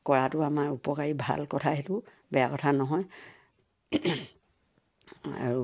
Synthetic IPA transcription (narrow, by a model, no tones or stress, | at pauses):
kɔɹatʊamaɹupɔkaɹibʱa̰lkɔtʰaetʊ | bɛjakɔtʰanɔɦɔj | a̰ɹu